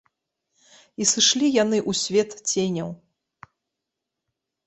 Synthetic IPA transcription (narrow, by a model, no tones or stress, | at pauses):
isɨʂlʲijan̪ɨʔusʲvʲɛt̪t͡sʲenʲɐw